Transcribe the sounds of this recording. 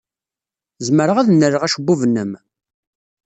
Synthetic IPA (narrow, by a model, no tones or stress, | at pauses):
zməɾəʁæðnːəɾəʁæʃəbːuvnːəm